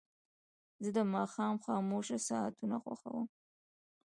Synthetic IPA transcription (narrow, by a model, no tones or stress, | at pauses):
zəd̪əmɑxɑːmxɑːmoʃasɑat̪unaxwa̰xa̰wəm